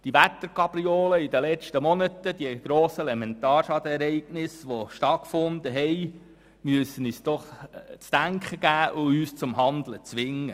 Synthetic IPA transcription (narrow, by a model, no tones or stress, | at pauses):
d̥iʋæt̪ːəɾkɑb̥ɾioːləidəlɛt͡ʃtəmɔnət̪əd̥̪iəɡ̥ɾoːsəlɛmɛnt̪ɑːɾʃɑd̪əɛɾɛɪɡ̥nɪsʋoʃtɑtkfʊnd̪əɦɛj | myəsənysd̥̪ɔχt͡sd̥æŋkχəɡ̥æːʔʊyːst͡sʊmɦɑnd̪lət͡sʋɪŋːə